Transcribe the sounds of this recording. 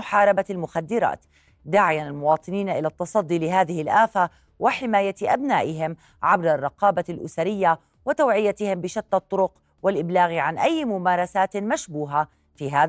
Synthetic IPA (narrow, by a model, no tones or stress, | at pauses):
ʊħɑːɾˤɑbalmʊxad̪ːɪɾa̰ːt̪ | d̪aːʕɪjanalmʊwɑːt̪ˤɨniːnaʔɪlat̪ːɑsˤɑd̪ːilɪɦaːðɪhɪlʔaːfa | wʔɪħɪmaːjaʔabnaːʔɪɦɪm | ʕabɾˤɑrˤːɑqɑːbalʔʊsaɾɪjːa | wɪt̪awʕɪjːat̪ɪhɪmbɪʃat̪ːɑt̪ˤːʊɾʊq | wɪlʔɪblaːɣʕanʔajːmʊmaːɾˤɑsaːt̪maʃbuːɦa | fiɦaː